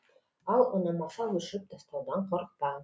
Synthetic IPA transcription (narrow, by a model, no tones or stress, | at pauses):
ɑlˠŏnɑmɑsɑwɵ̆ʃɘp̚d̪ɒst̪ɑwd̪ɑɴqoɾq̚t̪ɑ